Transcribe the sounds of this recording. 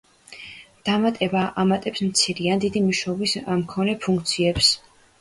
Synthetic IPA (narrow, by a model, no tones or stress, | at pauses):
d̪̥amat̪ʼɛbaʔamat̪ʼɛpsmt̪sʰiɾiand̪id̪imuʃɔːbismkʰɔnɛpʰũŋk̚ʰt̪sʰiɛps